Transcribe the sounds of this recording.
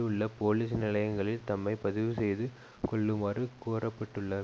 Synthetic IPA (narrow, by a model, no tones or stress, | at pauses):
ɯɭːɐpoːliːs̬nɪlɐjɐŋɡɐɭɪlt̪ɐmːɐɪpɐðɪʋɯsɛjðɯ | kɔɭːɯmɐːrɯkuːrɐpːɐʈːɯɭːɐ